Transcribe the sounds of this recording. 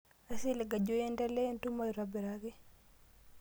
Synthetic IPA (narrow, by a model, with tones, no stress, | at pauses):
a˨si˦le˨ɡa˨d͡ʒo˦jɛ˦nda˦le˦a˦ntu˦ma˦jɾa˨bɛ˨ɾa˦ɡɛ˦